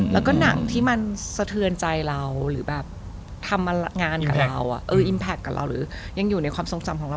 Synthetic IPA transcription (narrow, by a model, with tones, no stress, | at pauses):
lɛː˦˥wkɔː˥˩na˩˦ŋt̪ʰiː˥˩ma˧nsa˧t̪ʰɯ˧ənt͡ɕa˧jɾa˧wɾɯː˩˦bɛː˨˩p̚ | t̪ʰa˧mːa˧ŋaː˧nka˨˩ɾa˧wʔa̰˨˩ʔɤː˧ʔi˧npʰɛː˦˩kːaː˨˩ɾʔa̰˧wɾɯ̰ː˩˦ | ja˧ŋjuː˨˩na˧jkwaː˧mso˨˧˦ŋsa˨mkʰɔ˨˦ɾa˧